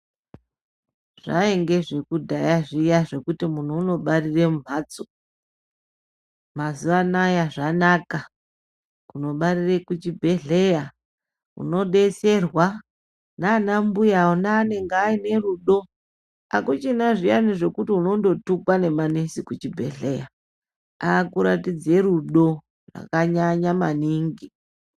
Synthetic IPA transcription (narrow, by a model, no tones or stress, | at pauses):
ʐ̥a̰eŋɡe̞ʐekudʱajaʐijaʐe̞kutimun̤uːno̞ɓariremum̤at͡so̥ | mazuʋanajaʐanaka | kuno̞ɓaɾirekut͡ʃibʱe̞ɮe̞ja | ṵno̞ɗe̞se̞rwa | naːnambujaonaːne̞ŋɡaine̞ruɗo̞ | akut͡ʃinaʐijaniʐe̞kutiuno̞ndo̞tukwane̞mane̞sikut͡ʃibʱḛɮḛja | akuɾa̰tid͡ze̞ɾuɗo̞ | ra̰kaɲaɲamaniŋɡi